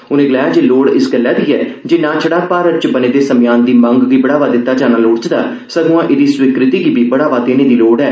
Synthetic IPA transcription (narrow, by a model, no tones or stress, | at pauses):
ʊnẽːɡəlaːjaːd͡ʒeːloːɽɪsɡəlːɛːd̪iːɛːd͡ʒeːnãːt͡ʃʰəɽaːpaːɾəɾt͡ʃbəneːd̪eːsəmjaːnd̪iːmə̃ŋɡʋiːbəɽaːʋaːd̪ɪt̪ːaːd͡ʒaːnaːloːɽt͡ʃd̪aː | səɡũãːʔɪd̪iːswɪkɾɪt̪iːɡiːbiːbəɽaːʋaːd̪eːnẽːd̪iːloːɽɛː